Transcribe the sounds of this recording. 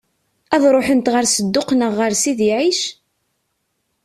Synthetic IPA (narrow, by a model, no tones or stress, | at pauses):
æðɾˤoħənt̪ʁəɾsəd̪ːʊqnəʁːəɾsiðiʕiʃ